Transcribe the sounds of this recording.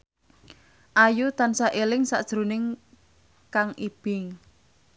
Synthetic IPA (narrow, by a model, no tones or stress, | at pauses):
ʔajut̪ansaʔelɪŋsa̰ʔd̥ʒ̥ɾunɪŋ | kaŋʔib̥ɪŋ